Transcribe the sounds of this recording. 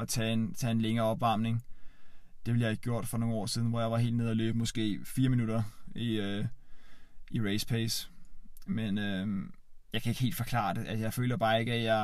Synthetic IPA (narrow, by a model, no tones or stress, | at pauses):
ɒt͡sʰɛːent͡sʰɛ̰e̝nleŋɐːɒ̽b̥ʋɑ̈mne̝ŋ | d̥e̝ʋljae̝ɡ̥̚ɡjo̝ɐ̰d̥fɒno̝ːŋ̩ɒ̰ːsiðˠn̩ʋɒ̰jɑ̈ɪʋɑ̈ɦe̝̰ːld̥neð̞̰ˠæløːb̥əmɔ̽sɡ̥e̝̰ːfiːɐminud̥ɐiø | iʁeɪspʰes | menø | jɑ̈ɪkʰæe̝ɡ̥ɦe̝ːld̥fɒ̽kʰlɑ̰̈ːd̥eʔæsəjɑ̈ɪfø̰ːlɐb̥ɑ̈ːe̝ɡ̥æjɑ̈ɪ